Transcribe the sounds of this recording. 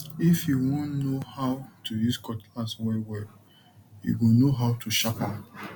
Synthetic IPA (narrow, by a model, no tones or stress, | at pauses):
ifjiwɔ̃nnohaʊtʰuiskɔtaswɛwɛ | jḭwinoɦaʊtʰuʃapa